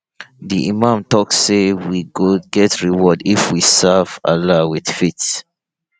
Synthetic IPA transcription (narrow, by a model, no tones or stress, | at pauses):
diʔimãmtɔksːewiɡoɡɛtɹiwɔdifwisava̰lawið̥fits